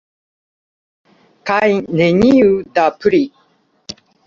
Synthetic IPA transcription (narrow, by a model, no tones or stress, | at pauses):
kajneɲiudapʉɾi